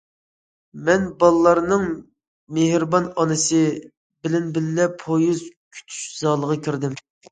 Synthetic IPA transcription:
mɛnbɑlˠɨlˠɑɾnɨŋ | mehɾbɑnɑnɨsɨ | bɪlɪnbɪlːɛpʰojuzkʲʰy̥t̪ʰy̥ʃz̥ɑːlˠəʁɑkʲʰiɾd̪ɪm

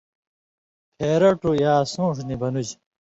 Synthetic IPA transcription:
pʰeːɾɐʈujaːsũːʂnibɐnud͡ʑ

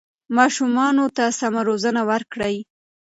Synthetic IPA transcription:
mɑʃumɑnot̪asamaɾozənawəɾkɽəj

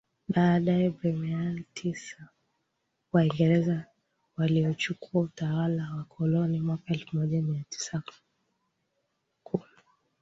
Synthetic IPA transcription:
ɓaːɗaɛbɾɛmɛalitʰisa | waiŋɡɛɾɛza | waliɔt͡ʃukʰuautawalawakʰɔlɔnimwakaɛlfumɔʄamiati̥sa | kʰulu

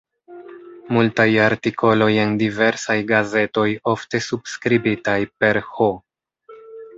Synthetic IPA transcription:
multajaɾtikʰo̞lo̞je̞ndive̞ɾsajɡaze̞to̞jo̞fte̞subskɾibitajpe̞ɾho

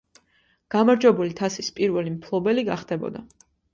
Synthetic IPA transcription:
ɡ̥amaɾd͡ʒwɛbulit̪ʰasispʼiɾvɛlimpʰlˠɔbɛliɡaχd̪̥ɛbɔ̰d̪a

